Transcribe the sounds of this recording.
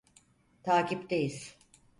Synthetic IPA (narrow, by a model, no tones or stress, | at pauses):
t̪ʰaːcipd̪ejil